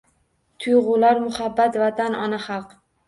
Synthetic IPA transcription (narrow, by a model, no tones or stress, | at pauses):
t̪ʰʊjʁʊlaɾmʊχabːat̪vat̪ʰanɒnaχɑlˠq